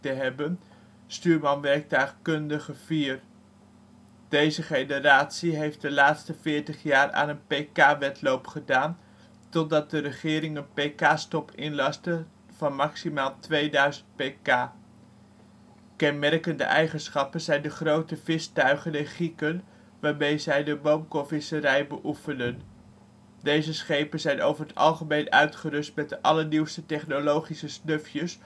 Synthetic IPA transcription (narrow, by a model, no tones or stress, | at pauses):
təɦɛbən | styːɹmɑnʋɛɹk̚tœχkɵndəχəv̥iːr | d̥ejzəχejnəraːtsiɦejft̚dəlaːtstəvɪːɹtəχjaːra̰ːnənpejkaːʋɛtlowpχədaːn | tɔt̚dɑt̚dəɾəχɪːɾɪŋənpejkaːstɔpʰɪnlɑstə | v̥ɑnmɑksimaːlˠtʋejdœɥzənt̚pejkaː | kɛnmɛrkəndə̰ʔɛjχənsχɑpənzɛjndəχrowtəvɪstœɥχənɪnχikən | ʋaːɹmejzɛjdəbowmkofɪsəɾɛjbəʔufəndən | dejzəsχejpənzɛjno̰wvəɹətɑ̰lˠχəmejnœ̰ɥtχəɾɵstmɛt̚əʔɑləniwstətɛχnolowχisəsnɵfjəs